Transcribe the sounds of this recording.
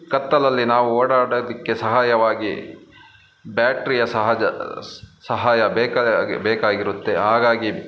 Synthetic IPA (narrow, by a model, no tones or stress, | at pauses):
kɐt̪ːɐlɐlːinaːʋuoːɽaːɽod̪ikːe̞sɐɦaːjɐʋaːɡḭ | bjaːʈɾijɐsɐɦd͡ʒɐ | sɐɦaːjɐbɛːkɐbɛːkaːɡiɾut̪ːe̞ɦaːɡaːɡi